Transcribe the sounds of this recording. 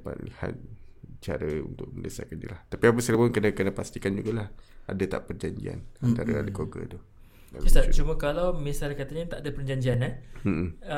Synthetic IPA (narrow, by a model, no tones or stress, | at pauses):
apa̰t̪̚liha̰t̪̚ | t͡ʃa̰ɾəṵnt̪ʊk̚məndəsa̰kandḭlaht̪apiapəsələpʊnkənəkənəpast̪ikand͡ʒuɡalaha̰dat̪a̰ʔpərd͡ʒaɲd͡ʒḭa̰nannt̪aɾəa̰ləkoɡə̰t̪ʊh | aisat͡ʃumə̃kalawmĩsalkat̪aɲat̪aʔadapərd͡ʒaɲd͡ʒiana